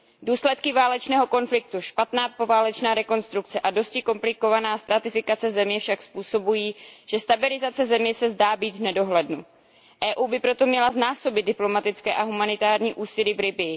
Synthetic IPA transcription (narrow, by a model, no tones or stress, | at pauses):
duːslɛt̪kɪvaːlɛt͡ʃnɛːɦo̞ko̞nflɪk̚t̪uʃpat̪naːpo̞vaːlɛt͡ʃnaːɾɛko̞nst̪ɾukt͡sɛʔado̞scɪko̞mplɪko̞vanaːst̪ɾat̪ɪfɪkat͡sɛzɛmɲɛfʃakspuːso̞bujiːʒ̥ɛst̪abɪlɪzat͡sɛzɛmɲɛsɛzdaːbiːd̪vnɛdo̞ɦlɛdnu | ʔɛːʔuːbɪpɾo̞t̪o̞mɲɛlaznaːso̞bɪdɪplo̞mat̪ɪt͡skɛ̰ːʔaɦumanɪt̪aːɾɲiːʔuːsɪlivɾɪbɪ